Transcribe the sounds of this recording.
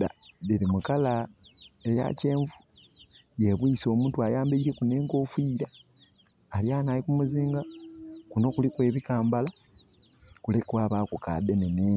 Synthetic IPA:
dadeɾimukala | eja̰ce̞ːɱvu | jeβwiːso̞muːntuajaːmbeiɾe̞kune̞ːŋko̞fiːɾaː | ljaːnalikumuziːŋɡakuno̞ːkulikwe̞ːβikaːmbala | kulekwaːβaːkuka̰deneneːɲ

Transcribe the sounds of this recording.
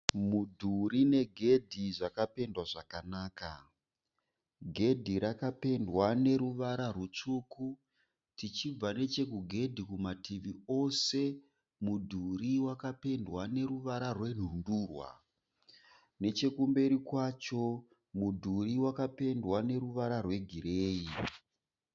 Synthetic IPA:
mudʱuɾine̞ɡʱe̞dʱiʐakape̞ndwaʐakanaːka | ɡʱe̞dʱiɾakape̞ndwane̞ɾuʋaɾarut͡ʂuku | tit͡ʃib͡vane̞t͡ʃe̞kuɡʱe̞dʱikumatiʋio̞se̞ | mudʱuriwakape̞ndwane̞ɾuʋaɾarwe̞n̤unduːrwa̰ | ne̞t͡ʃe̞kumbe̞ɾikwat͡ʃo̞ | mudʱuriwakape̞ndwane̞ɾuʋaɾarwe̞ɡʱiɾeːi

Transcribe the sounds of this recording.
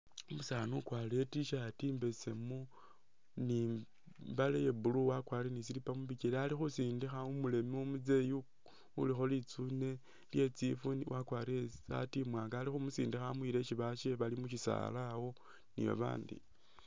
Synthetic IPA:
umusaːnukwaːle̞tiʃatiːmbe̞se̞mu | ni | balejebuluwakwaːɾenis̬ilipamuβikelealixusiːndixaumule̞miumud͡ze̞ju | ṵlixo̞lit͡sune̞ | lje̞t͡sifuniwʔakwaːɾesa̰timwaːŋɡaːlixumusḭːndixamwiɾe̞ʃiβaʃeβalimuʃisa̰lawo̞ | nḭjo̰βa̰ːndḭ

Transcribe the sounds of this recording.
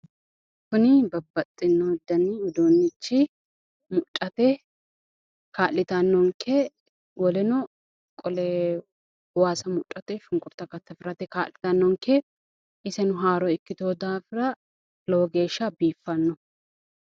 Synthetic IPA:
kʊnɪbɐbːɐt̪ʼːɪnːɔd̪ːɐniʊd̪oːnːɪt͡ʃːɪ | mʊtʼːɐt̪ɛ | kaːlːɪt̪ɐnːɔŋkʰɛ | wɔlɛnɔ | kʼɔlɛ | waːsɐmʊtʼːɐt̪ɛʃʊŋkʼʊɾt̪ːɐkɐt̪ːɐfɪɾɐt̪ɛka̰ːlːɪt̪ɐnːɔŋkɛ | ʔɪsɛnʊɦaːɾɔɪkːɪt̪oːd̪aːfɪɾɐ | lɔwɔɡe̞ːʃːɐbiːfːɐnːɔ

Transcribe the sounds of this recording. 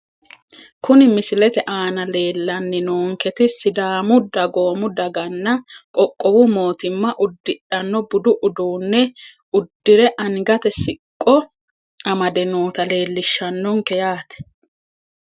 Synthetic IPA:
kʊnɪmɪsɪlɛt̪ɛʔaːnɐle̞ːlːɐnːɪnoːŋkɛt̪ɪsɪd̪aːmʊd̪ɐɡo̞ːmʊd̪ɐɡɐnːɐkʼɔkʼːɔwʊmo̞ːt̪ɪmːɐʔʊd̪ːɪɗɐnːɔbʊd̪ʊʔʊd̪uːnːɛ | ʊd̪ːɪɾɛʔɐnɡɐt̪ɛsɪkʼːɔ | ɐmɐd̪ɛnoːt̪ɐle̞ːlːɪʃːɐnːɔŋkɛjaːt̪ɛ̥

